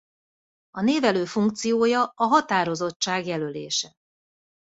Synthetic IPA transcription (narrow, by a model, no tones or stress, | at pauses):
ɒneːvɛløːfuŋk̚t̪sijoːjɒɒɦɒt̪aːɾo̞zo̞t͡ʃːaːɡjɛlølḛːʃɛ